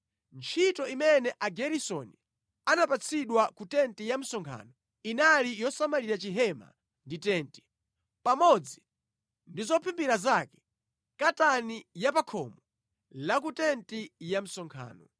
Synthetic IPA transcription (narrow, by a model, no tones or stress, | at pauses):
nt͡ʃʰitɔimɛnɛʔaɡɛɾisɔni | anapat͡sʰiɗwakutɛntijam̩sɔŋkʰa̰ːnɔ | inalijɔsamaliɾat͡ʃiɦɛma̰ | nditɛːnti̥ | pamɔd͡zi | ndizɔpʰimpiɾazakɛ̥ | katanijapakʰɔ̰mɔ | lak̬utɛntijam̩sɔŋkʰa̰ːnɔ